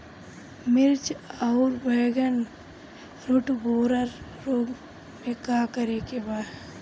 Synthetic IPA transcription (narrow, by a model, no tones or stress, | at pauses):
mɪɾt͡ʃaːɾbəːɡən | ɾʊʈboːɾəɾː | oːɡ | mẽkaːkəɾekebaːd̪